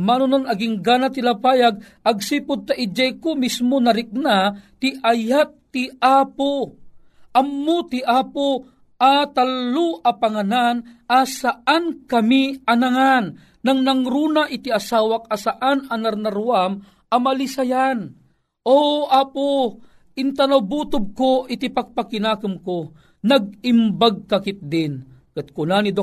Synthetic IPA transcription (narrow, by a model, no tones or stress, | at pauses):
manʊnonɐɡɪŋɡaːnat̪ɪlapaːjaɡ̚ | ɐɡ̚siːpʊd̪̚t̪aʔɪd͡ʒajkomismonɐɾɪk̚nat̪ɪʔajap̚t̪ɪʔaːpo | ʔɐmːot̪ɪʔaːpo | ʔat̪alːoʔapaŋananʔasaʔankɐmiɐnaŋanː | aŋnɐŋɾuːnaʔɪt̪iasaːwak̚asaʔananaɾnaɾuam | ɐmalisajan | ʔoʔaːpo | ʔɪnt̪anawbuːt̪ʊb̚koʔɪt̪ipak̚pakɪnaːkɨmko | nɐɡ̚ɪmbaɡ̚kakɪt̪̚d̪ɪnkɨt̪̚kʊnanid̪o